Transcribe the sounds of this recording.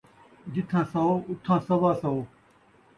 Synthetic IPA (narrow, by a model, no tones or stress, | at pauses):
d͡ʑɪt̪ʰãːsɐoːʊt̪ʰãːsɐʋaːsɐoː